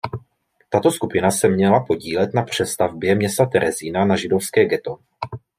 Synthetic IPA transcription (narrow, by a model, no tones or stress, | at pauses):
t̪at̪o̞skupɪnasɛmɲɛlapo̞ɟiːlɛt̪napr̝̥ɛst̪avbjɛmɲɛst̪at̪ɛɾʔɛziːnanaʒɪdo̞fskɛːɡɛt̪o